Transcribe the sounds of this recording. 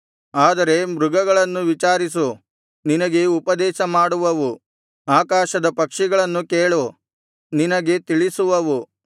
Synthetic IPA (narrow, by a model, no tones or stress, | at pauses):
aːd̪ɐɾe̞mɾuɡɐɡɐɭɐnːuʋit͡ʃaːɾisu | ninɐɡe̞upɐd̪ɛːʃɐmaːɽuʋɐʋu | aːkaːʃɐd̪ɐpɐkʂɛɡɐɭɐnːukeːɭu | ninɐɡe̞t̪iɭisuʋɐʋu